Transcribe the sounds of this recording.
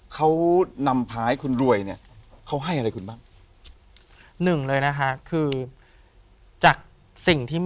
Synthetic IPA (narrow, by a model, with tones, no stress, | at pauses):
kʰa˦˥wna˧mpʰaː˦˥jkʰu˧nɾu˧˩əjni˦˥˩ɐkʰa˦˥wɦa˥˩jʔa˧ɾa˧jkʰu˧nbaː˥˩ŋ | nɯ˨˩ŋlɤː˧jna˦˥kʰa˦˥kʰɯː˧ | t͡ɕaː˨˩k̚ | si˨˩ŋt̪ʰiː˥˩